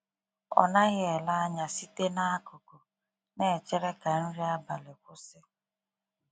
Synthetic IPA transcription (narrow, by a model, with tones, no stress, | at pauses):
ɔ̰˨na˦ɣɪ˦e˨la˦a˦ɲa˨si˦te˦na˦a˦kʊ˨kʊ˨ | ne˦˨t͡ʃe˦ɾe˦ka˨ɾ̩˦ɾi˦a˦ba˨lɪ˨kʷʊ˦sɪ˦